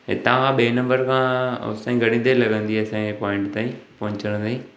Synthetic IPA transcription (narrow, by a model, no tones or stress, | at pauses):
ɦɪ̰t̪ãkʰãːɓeːnɐ̃mbəɾkʰãʊ̰sãĩɡʱɐɽĩnd̪elɐɡə̃nd̪iɐsãepɔːɪ̃ɳʈt̪aːĩpɐɪ̃ɲt͡ɕəɾə̃nd̪aːĩ